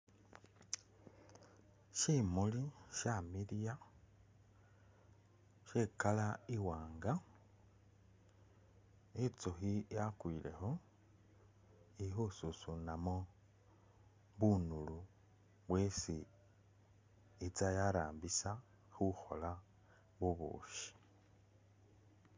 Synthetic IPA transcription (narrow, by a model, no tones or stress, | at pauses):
ʃimuliʃamilija | ʃekalaiwaːŋɡa | it͡soxijakwile̞̰xo̞ | ixususunamo | βunulu | βwesi | it͡sajaɾaːmbisa | xuxo̞̰la | βuβṵːʃi̥